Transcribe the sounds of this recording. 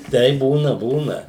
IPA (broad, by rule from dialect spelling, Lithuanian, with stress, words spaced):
ˈtʲɛɪp ˈbuːnɐ ˈbuːnɐ